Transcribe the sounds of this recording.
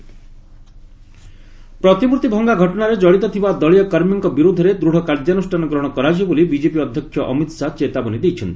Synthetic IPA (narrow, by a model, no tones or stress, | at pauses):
pɾɔt̪imuɾt̪ibʱɔŋɡaɡʱɔʈɔnaɾed͡ʒɔɽit̪ɔt̪ʰibad̪ɔɭijɔkaɾmjɔŋkɔbiɾud̪ʱːɔɾed̪ɾuɽ̤ʱɔkaɾd͡ʒanusʈʰanɔɡɾɔɽ̃ɔkɔɾad͡ʒɔbolibid͡ʒepiɔd̪ʱjɔkʰjɔʔɔ̰mit̪sat͡ʃet̪abɔnid̪ejt͡ʃʰɔnt̪i̥